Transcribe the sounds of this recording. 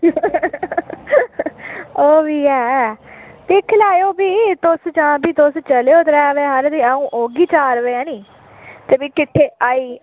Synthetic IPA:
oːʋiːɛː | t̪ekʰːlaːjoːbiːt̪ʊsd͡ʒãːbʱiːt̪ʊst͡ʃəleoːt̪ɾɛːʋeːɦəɾd̪iːaũːʔoːɡiːt͡ʃaːɾʋeːãːniː | t̪eːbiːkɪʈʰːeːaːiː

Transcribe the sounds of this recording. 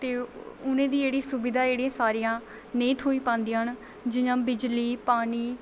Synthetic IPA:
t̪eːʊnẽːd̪iːeːɽiːsʊbɪd̪aːeːɽijãːsaːɾijãː | nẽːt̪ʰɦoːiːpãːnd̪iãːɦn | d͡ʒɪɲãːbɪd͡ʒliːpaːniː

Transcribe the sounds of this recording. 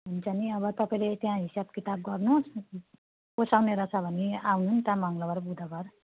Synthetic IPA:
bʱunt͡sʰʌniʌβʌt̪ʌpaĩlet̪jãɦisab̚kit̪ab̚ɡʌrnus | posawneɾʌt͡sʰʌbʱʌniawnunt̪ãmaŋlʌbʌɾbud̪ʱʌɡʌr

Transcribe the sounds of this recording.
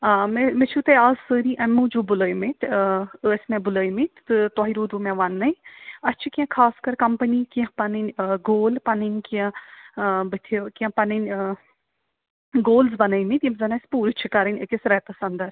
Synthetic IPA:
memet͡ʃʰut̪eaːzsəːɾiʔɐmːũd͡ʒubʊləːjmit̪əːsʲmẽbʊləːjmit̪ʰːɨt̪ɔɦiɾuːd̪umɛ̃ʋɐnːɐiɐt͡ʃʰikiɐ̃kʰaːskɐɾkɐmpənikiɐ̃pɐnənʲɡoːlpɐnənʲkiɐ̃ | bət̪ʰekiɐ̃pɐnənʲ | ɡoːlzbɐnəjmĩt̪jimzɐnɐspuːɾɨt͡ʃʰikɐɾənʲə̰kesɾɛːt̪ɐsɐnd̪ɐɾ

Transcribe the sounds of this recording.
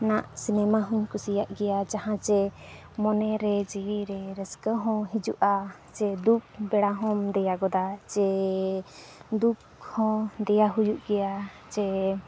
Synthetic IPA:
naʔsinɛmaɦuɲkusijaʔɡɛjad͡ʒaɦãt͡ʃɛ | mɔnɛɾɛd͡ʒiwiɾɛɾɛskəɦɔ̃ɦid͡ʒuʔa | t͡ʃɛd̪uk̚bɛɽaɦɔ̃md̪ɛjaɡɔd̪at͡ʃɛ | d̪uk̚ | hɔ̃d̪ɛjaɦujuʔɡɛja | t͡ʃɛ

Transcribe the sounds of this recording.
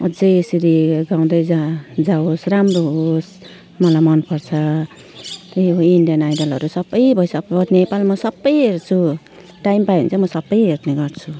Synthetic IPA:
ʌd͡zʌjesiɾiɡãw̃d̪ʌjd͡zad͡zaosɾamroɦos | mʌlamʌnpʌɾt͡sʰʌ | t̪ʌjoinɖijʌnajdʌlʌ̰ɾusʌbːʌjbʱʌjsʌpʌnepalmʌsʌbːʌjɦeɾt͡sʰu | ʈaimpajɦṵnt͡sʰʌmʌsʌbːʌjɦeɾneɡʌɾt͡sʰu

